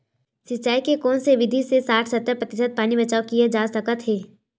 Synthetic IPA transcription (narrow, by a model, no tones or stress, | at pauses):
sɪt͡ʃːaːikekɔːnseʋɪd̪ʱisesaːʈʰsɐt̪ːəɾpɾət̪ɪsəd̪̚paːnibɐt͡ʃaːokied͡ʒaːsəkət̪ɦeː